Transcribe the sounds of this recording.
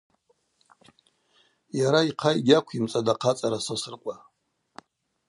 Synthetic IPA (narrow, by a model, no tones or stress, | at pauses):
jaɾaiqʰajɡʲakʷʰimt͡sʼadaqʰat͡sʼaɾasasɨrqʷʼa